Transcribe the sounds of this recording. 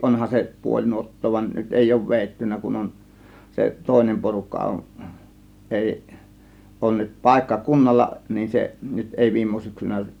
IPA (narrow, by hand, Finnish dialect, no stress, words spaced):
ʔonhɑn se puolʲ nuotːoː ʋɑn nyt eˑi oˑŭʋ ʋeˑitːynːæ kun on se toˑe̝nem porukːɑ on ʔeˑi ʔoˑŭn nyt pɑˑe̝kːɑ kunːɑlːɑ nin seʔ nyt eˑi ʋiːmːo syksynæ